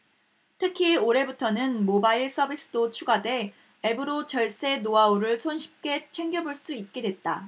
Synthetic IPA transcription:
tʰɯkʰioɾe̞butʰʌnɯnmobaiɭs͈ʌbʱis͈ɯ̥dot͡ɕʰuɡade̞ | ebɯɾot͡ɕʌɭs͈e̞noauɾɯɭsʰonɕʰi̥p̚k͈e̞t͡ɕʰwe̞ŋɡjʌbuɭs͈uit̚k͈e̞dwe̞t̚t͈a

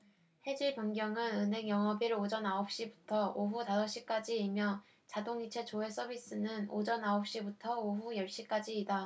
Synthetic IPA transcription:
he̞d͡ʑiɭbjʌŋɡjʌŋɯnɯnɦe̞ŋjʌŋʌbiɾod͡ʑʌnaop̚ɕ͈ibutʰʌoɸutasʰʌɕ͈ik͈ad͡ʑiːmjʌ | t͡ɕadoŋit͡ɕʰe̞t͡ɕoe̞s͈ʰʌbis͈ɯnɯno̰d͡ʑʌnaop̚ɕ͈ibutʰʌoɦujʌɭɕ͈ik͈ad͡ʑiːda

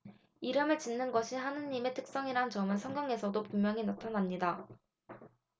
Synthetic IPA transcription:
iɾɯmɯɭt͡ɕinːɯnɡʌɕʰihanɯɲːime̞tʰɯk̚s͈ʌŋiɾant͡ɕʌmɯnsʰʌŋɡjʌŋe̞sʰʌdopummjʌŋinatʰʌnamɲida

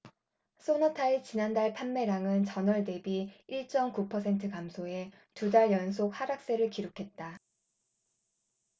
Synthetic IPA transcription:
s͈ʰonʌtʰait͡ɕinandaɭpʰanme̞ɾaŋɯnt͡ɕʌnʌɭde̞biiɭt͡ɕ͈ʌmkupʰʌs̬ʰe̞ntʰɯkamsʰoe̞ | tudaɭjʌns̬ʰok̚haɾak̚s͈e̞ɾɯɭkiɾokʰe̞t̚t͈a

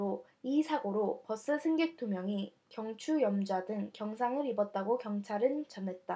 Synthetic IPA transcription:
o | isʰaɡoɾopʌs͈ɯsʰɯŋɡek̚t͈umjʌŋi | kjʌŋt͡ɕʰujʌmd͡ʑadɯŋkjʌŋsʰaŋɯɾibʌt̚t͈aɡokjʌŋt͡ɕʰaɾɯnt͡ɕʌnɦe̞t̚t͈a

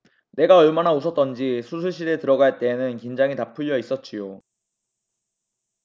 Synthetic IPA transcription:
ne̞ɡaʌɭmanaosʰʌt̚t͈ʌnd͡ʑisʰusʰuɭɕ̬͈ʰiɾe̞tɯɾʌɡaaɭt͈e̞ːnɯnkend͡ʑaŋitapʰɯʎːʌis͈ʌt̚t͡ɕ͈ijo

